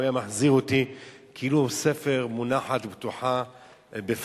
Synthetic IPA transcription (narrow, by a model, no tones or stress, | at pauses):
jamaħziʁot̪i | kʰʔiːlusefeʁmunaħat̪bt̪uħa | bef